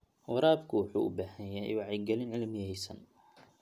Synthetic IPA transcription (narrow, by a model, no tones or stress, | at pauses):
wɑɾaːbkʰʊwɑħṵːʔʊbaːhɐjɛ̰wɑʕɑjɡɛlɪnʕɪlmjɛjsɐ̰n